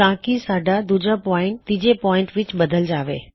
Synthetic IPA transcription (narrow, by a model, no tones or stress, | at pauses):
ãːkisaːɖʱad̪ʊd͡ʑapɔːɪ̃ɳʈ̚t̪ɪ̃ːd͡ʑepɔːɪ̃ɳʈʋɪt͡ɕɓɐd̪ʱəld͡ʑaːʋḛː